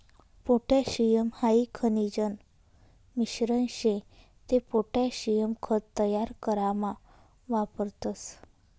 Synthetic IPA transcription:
poʈʰaɕijəmhaikʰənid͡ʑən | miɕɾənɕẽ | t̪epoʈaɕijəmkʰətt̪ːəjaɾkəɾama | ʋapəɾt̪əs

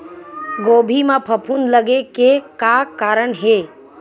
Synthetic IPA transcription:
ɡoːbʱimãpʰəpʰunləɡekekakaːɾəɳɦe

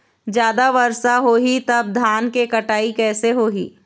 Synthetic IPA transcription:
d͡ʒjaːd̪aʋɐɾsaɦoːɦit̪ɐb̚d̪ʱaːnkekɐʈaːikɛːseɦoːɦḭː

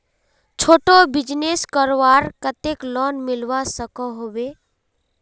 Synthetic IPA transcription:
t͡ʃʰoːʈobɪd͡ʒneskəɾwaːɾkət̪eklɔnmɪlʋasəkɔɦobe

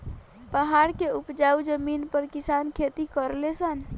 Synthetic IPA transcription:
pəɦaɾkeupd͡ʒaud͡ʒəminpəɾkisankʰet̪ikəɾlesən

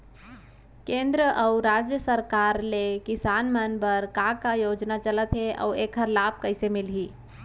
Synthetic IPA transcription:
kẽnd̪ɾəʔəuɾad͡ʒjəsəɾkaɾlekisanmənbəɾkakajod͡ʒnat͡ʃələt̪ʰeʔə̰wekʰəɾlab̚kəɪsemilɦi

